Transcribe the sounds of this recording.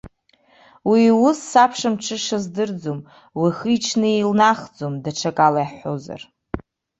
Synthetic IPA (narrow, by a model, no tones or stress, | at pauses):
wiwʊsːapʰʂamʈ͡ʂʰɨʂazdɨrd͡zom | wiχit͡ʃʰnɨelnaχd͡zomdaʈ͡ʂʰakʼalajħħo̰za̰r